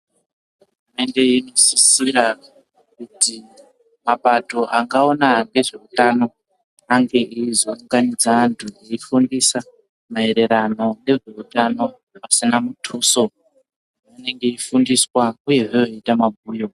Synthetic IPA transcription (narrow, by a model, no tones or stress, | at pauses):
ɦuurume̞nde̞ino̞sisira | kuti | mapato̞ʔaŋɡao̞naŋɡe̞ʐe̞utano̞ | aŋɡe̞ʔiizouŋɡanid͡zantʰueifundisa | mae̞ɾe̞ɾano̞ne̞ʐeutano̞ | pasinamutʰuso̞ | mane̞ŋɡe̞ifundiswauje̞ʐeoitamaɡʱuːjo̞